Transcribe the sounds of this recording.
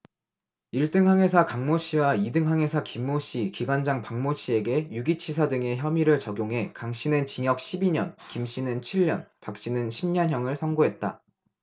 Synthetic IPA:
iɭt͈ɯŋɦaŋe̞sʰakaŋmoɕ͈ʰiwaidɯŋɦaŋe̞sʰakimːoɕ͈ʰikiɡwand͡ʑaŋpaŋmoɕʰie̞ɡe̞juɡit͡ɕʰisʰadɯŋe̞çjʌmiɾɯɭt͡ɕʌɡjoŋɦe̞kaŋɕ͈inɯnt͡ɕiŋjʌk̚ɕʰibiɲʌnkimɕ͈inɯnt͡ɕʰiɭːʌnpak̚ɕ͈inɯnɕʰimɲʌnɦjʌŋɯɭsʰʌŋɡoɦe̞t̚t͈a̰

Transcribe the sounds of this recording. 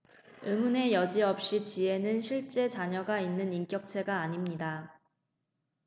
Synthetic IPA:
ɯmune̞jʌd͡ʑiʌp̚ɕ͈it͡ɕie̞nɯnɕʰiɭt͡ɕ͈e̞t͡ɕaɲʌɡainːɯnink͈jʌk̚t͡ɕʰe̞ɡaːɲimɲida

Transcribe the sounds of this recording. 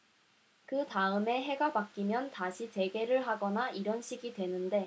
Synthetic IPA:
kɯtaɯme̞ɦe̞ɡapak͈imjʌntaɕʰit͡ɕe̞ɡe̞ɾɯɭɦaɡʌnaʔiɾʌnɕʰiɡidwe̞nɯnde̞

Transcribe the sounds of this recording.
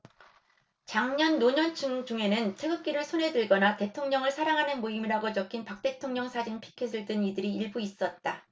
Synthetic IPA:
t͡ɕaŋɲʌnːoɲʌnt͡ɕʰɯŋd͡ʑuŋe̞nɯntʰeɡɯk͈̚iɾɯɭsʰonɦe̞dɯɭɡʌnate̞tʰoŋɲʌŋɯɭsʰaɾaŋɦanɯnmoimiɾaɡot͡ɕʌkʰinpak̚t͈e̞tʰoŋɲʌŋsʰad͡ʑinpʰi̥kʰes̬ʰɯɭtɯnidɯɾiːɭbuis͈ʌt̚t͈a

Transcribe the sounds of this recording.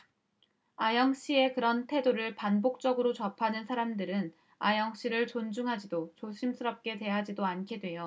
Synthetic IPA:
ajʌŋɕ͈ie̞kɯɾʌntʰe̞doɾɯɭpanbok̚t͡ɕ͈ʌɡɯɾot͡ɕʌpʰanɯnsʰaɾamdɯɾɯn | ajʌŋɕ͈iɾɯɭt͡ɕond͡ʑuŋɦad͡ʑidot͡ɕoɕʰims͈ʰɯɾʌp̚k͈e̞twe̞ɦad͡ʑidoankʰedwe̞jo

